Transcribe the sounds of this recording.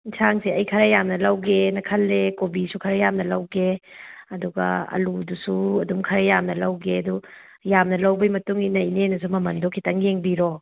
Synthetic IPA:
isʰaŋsiɐjkʰɐɾɐjamnɐlɐwɡenɐkʰɐlːekobisukʰɐɾɐjamnɐlɐwɡeɐduɡɐ̰ɐ̰ludusuɐdumkʰɐɾɐjamnɐlɐwɡeɐdu | jamnɐlɐwbɐjmɐtuŋinɐjnenɐs̬umɐmɐndokʰitɐŋjeŋbiɾo

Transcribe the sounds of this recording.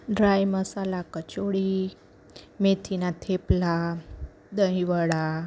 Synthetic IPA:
ɖɾajməsalakət͡ʃoɽi | met̪ʰinat̪ʰepla | d̪əiʋəɽa

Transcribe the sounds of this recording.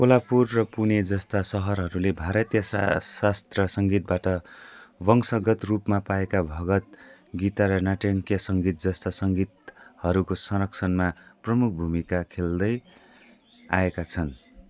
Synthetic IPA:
kolapurːʌpuned͡zʌst̪asʌɦʌrɦʌɾulebʱaɾʌt̪jʌssast̪rʌsʌŋɡit̪̚baʈʌbʌŋsʌɡʌt̪rupmapaekabʱʌɡʌt̪̚ɡit̪aɾʌnaʈjʌŋkjʌsʌŋɡit̪̚d͡zʌst̪asʌŋɡit̪hʌɾukosʌɾʌkt͡sʰʌnmaprʌmuk̚ʰbʱumikakʰeld̪ʌj | aekat͡sʰʌn

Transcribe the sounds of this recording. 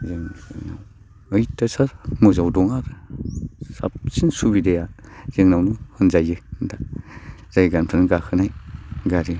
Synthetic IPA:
zɯŋna̰w | ɯjtasamuzawdɔŋaɾɯ | sa̰p̚sinsubidejazɯŋnawmɯhɯnzajɯnda | z̥ajɡanpʰɯnɡahʰɯnajɡaɾi

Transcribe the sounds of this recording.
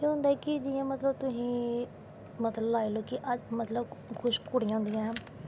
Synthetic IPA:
ẽːɦʊ̃nd̪aɛkɪd͡ʒɪjãːmət̪ləb̚t̪ʊsĩː | mət̪ləbaːeloːkɪʔəmət̪ləbkʰʊʃkʊɽijãːnd̪ɪjãɛ̃

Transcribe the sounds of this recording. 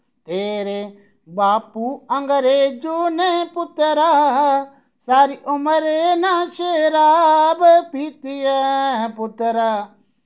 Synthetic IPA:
t̪eːɾe | baːpuːɐ̃ŋɡəɾeːd͡ʒunepʊt̪ɾaɦ | saːɾiʔʊməɾenaʃeːɾaːbəpiːt̪ijəɦpʊt̪ɾaː

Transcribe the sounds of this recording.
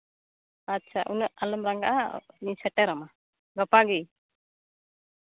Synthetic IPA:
at͡ʃʰaʔunəʔaləmɾaŋɡa̰ʔanisɛʈɛɾama | ɡapaɡij

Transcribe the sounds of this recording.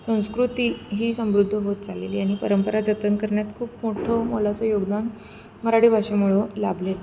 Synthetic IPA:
sə̃w̃skɾut̪iːɦiːsə̃w̃ʋɾud̪ʱːəɦot̪̚d͡zalḛliːaɽ̃iːpəɾəmpəɾad͡ʑət̪ənkəɾɳjat̪kʰuːpmoʈʰomolat͡sɔjoɡd̪an | məɾaɽiːbʱaʂemuɭolablet̪

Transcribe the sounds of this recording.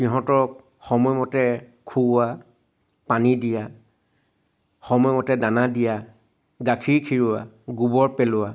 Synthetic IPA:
xiɦɔ̃tɔɹk̚ | xɔmɔjmɔtɛkʰuʊa | panidija | xɔmɔjmɔtɛdanadija | ɡakʰiɹkʰiɹʊwa | ɡubɔɹpɛlʊa

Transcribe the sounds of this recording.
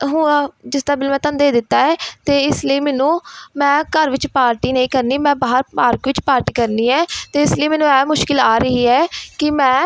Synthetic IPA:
ɦʊ̃ːd͡ʒɪsd̪aːbɪlmɛ̃ːt̪ə̃nd̪eːd̪ɪt̪ːaːɛːt̪eːɪsləiːmɛːnũːmɛ̃ːkəɾʋɪt͡ʃpaːɾʈiːnəĩːkəɾniːmɛ̃ːbaːɦəɾpaːɾkʋɪt͡ʃpaːɾʈiːkəɾniːɛːt̪eːɪsləiːmɛːnũːɛːmʊʃkɪlaːɾəɦiːɛːkɪmɛ̃ː

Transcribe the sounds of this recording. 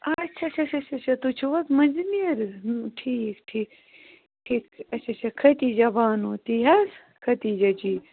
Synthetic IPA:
ɐt͡ʃʰɐt͡ʃʰɐt͡ʃʰɐt͡ʃʰɐt͡ʃʰɐt̪ut͡ʃʰuʋɐk̪mɐnzniɐɾʈʰiːkʈʰiːk | ʈʰiːkɐt͡ʃʰɐt͡ʃʰɐkʰɐt̪izɐbaːnoːt̪iɦɐs | kʰɐt̪id͡ʒɐd͡ʒiː

